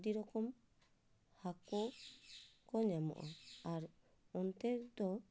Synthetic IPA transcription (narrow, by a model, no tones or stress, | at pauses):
d̪iɾɔkɔm | hakɔ | kɔɲamɔ̰ʔɔaɾ | ɔnt̪ɛɾd̪ɔ